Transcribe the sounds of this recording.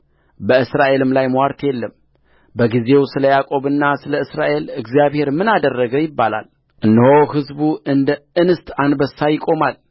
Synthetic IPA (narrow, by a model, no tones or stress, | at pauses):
bəɨsɾaʔe̞lɨmlajmwaɾt̪ʰjelːəm | bəɡize̞wsɨləjakʼo̞βɨnːasɨləɨsɾaʔe̞lɨɡzijaβhe̞ɾmɨnad̪ərːəɡəwjɪbːala̰l | ʔɨnːɨho̞hɨzbuʔɨnd̪əɨnɨst̪ʰanbəsajɪkʼo̞mal